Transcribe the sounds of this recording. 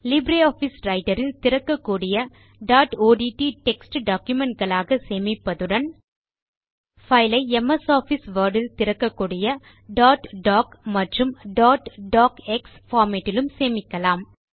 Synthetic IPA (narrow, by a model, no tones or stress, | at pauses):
lɪbɾeːaːfisɾɐɪʈɐɾɪlt̪ɪɾɐkːɐkːuːɽɪjɐ | ɖaːʈoːɖiːʈiʈɛksʈɖaːkjɯmɛɳʈ̚ɡɐɭaːɣɐseːmɪpːɐðɯɽɐn | fɐɪlɐɪɛmɐsaːfisʋɐːɾɽɪlt̪ɪɾɐkːɐkːuːɽɪjɐ | ɖaːʈɖaːkmɐʈrɯmɖaːʈɖaːkɛksfaːɾmeːʈːɪlɯmseːmɪkːɐlaːm